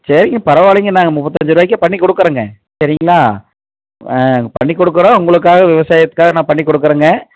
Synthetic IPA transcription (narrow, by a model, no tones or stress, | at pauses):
sɐɾɪŋɡɐpɐɾɐʋaːɭɪŋɡɐnaːŋɡɐmʊpːɐt̪ːɐɲd͡ʒɯɾɯʋaːjɪkːɐpɐɳːikːɔɽɯkːɯɾɐːŋɡɐ | sɐɾɪŋɡɐlaː | ɐpɐɳːikːɔɽɯkːɐɾõʊŋɡɐɭɯk̬ːaːɣɐʋɪʋɐsaːjɐt̪ːɯ̥kːaːɣɐnãːpɐɳːikːɔɽɯk̬ːɯɾɐːŋɡɐ